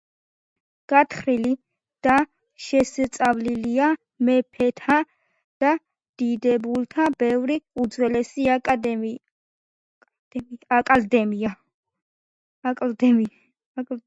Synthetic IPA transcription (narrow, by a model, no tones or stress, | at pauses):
ɡ̥at̪ʰχɾili | d̪̥a | ʃɛsɛt̪sʼavlilia | mɛpʰɛt̪ʰa | d̪̥a | d̪̥id̪ɛbult̪ʰabɛvɾiud̪zwɛlɛsiad̪ | akʼald̪ɛmia | kʼld̪ɛ